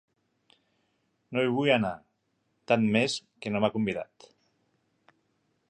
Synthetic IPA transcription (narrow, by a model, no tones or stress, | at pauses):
nojβ̞ujana | t̪anmeskenomakumbiða̰t̪